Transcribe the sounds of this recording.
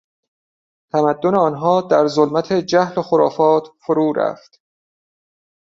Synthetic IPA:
t̪ʰæmæd̪ːoneɒːnɦɒːd̪æɾzolmæt̪ʰed͡ʒæhloxoɾɒːfɒːt̪ʰfoɾuːɾæ̰ft̪

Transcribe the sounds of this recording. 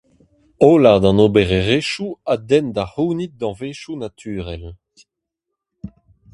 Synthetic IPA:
oːlaʁd̪ɑ̃nobeʁeʁeʃuad̪ɛnd̪ahuːnit̪̚d̪ɑ̃veːʃunat̪ʰyːʁɛl

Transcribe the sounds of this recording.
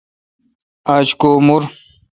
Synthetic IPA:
at͡ɕkoːmuɾ

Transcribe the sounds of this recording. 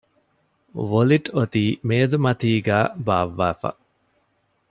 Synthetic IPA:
ʋoliʈot̪iːmeːzumɐt̪iːɡæːbaːʋːaːfɐ̰

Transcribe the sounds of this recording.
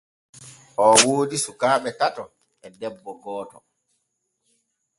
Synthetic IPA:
ʔɔwoːdisukaːɓɛtatɔ | ɛdɛbːɔɡɔːtɔ̰

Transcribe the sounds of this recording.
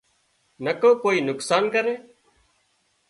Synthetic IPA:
nəkõːkoːiːnʊksaːnkəɾeː

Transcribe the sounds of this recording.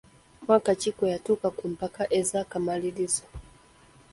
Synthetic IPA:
mwakat͡ʃikɔjatukakum̩pakaʔɛzakamalilizɔ

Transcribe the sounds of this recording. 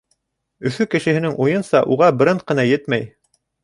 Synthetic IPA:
ɵ̆θɵkɘ̆ʃɘ̆hɘ̆nɘŋʔujɤnsɑʔuʁɑbɘ̆ɾɘɴ̚qɤ̆nɑjɘt̪mæj

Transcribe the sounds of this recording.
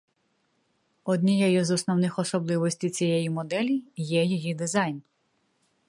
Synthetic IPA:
ɔd̪ʲnʲijɛjɔzɔsnɔwnɪxɔsɔblˠɪʋɔsʲtʲij̪t͡sʲijɛjimɔd̪ɛlʲijɛjɔjid̪ɪzɑjn

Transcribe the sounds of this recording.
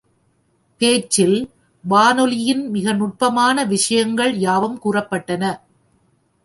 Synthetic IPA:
peːt͡ʃːɪl | ʋaːnɔlɪjɪnmɪɣɐnʊʈ̚pɐmaːnɐʋɪʂɐjɐŋɡɐɭjaːʋɐmkuːrɐpːɐʈːɐnɐ

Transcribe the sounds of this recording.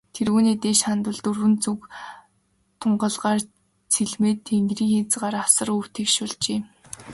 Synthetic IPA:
t̪ʰeɾɣuːniːt̪eːʃχant̪ʊ̆ɮt̪urɣɘ̆nt͡suk | t̪ʰʊɴɢə̆ɮʁaːr | t͡sʰiɮmeːt̪ʰːeŋɡriːŋxet͡sʁaːɾasə̆ru̥ːt̪ʰiːkʃʊɮt͡ɕeː

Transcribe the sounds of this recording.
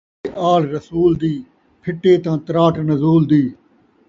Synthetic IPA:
ʔaːlɾəsuːld̪iː | pʰɪʈːeːt̪ãːt̪ɾaːʈnəzuːld̪iː

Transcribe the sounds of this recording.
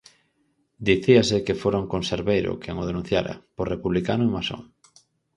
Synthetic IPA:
d̪iθiasɪkefoɾaŋkonseɾβejɾʊ̰kʰɛŋʊð̞enũn̟θjaɾɐ̰porepuβlikanʊeŋmaso̰ŋ

